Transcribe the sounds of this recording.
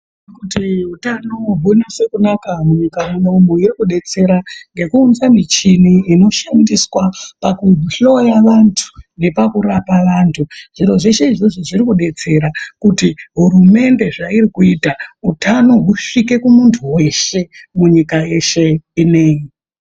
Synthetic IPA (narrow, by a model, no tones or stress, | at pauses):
kutiutanoɓunase̞kunakamuɲikamenombuirikuɗe̞t͡se̞ɾaŋɡe̞kuːnzamit͡ʃiniino̞ʃandiswapakuɬo̞jaʋantʰu̥ne̞pakuɾapaʋaːntʰuʐ̥iro̞ʐeʃe̞iʐoʐoʐirikuɗe̞t͡se̞ɾakutiɦuɾume̞nde̞ʐairikuitautano̞ɦuʂike̞kumuntʰuwe̞ʃe̞muɲikaje̞ʃe̞ine̞ːji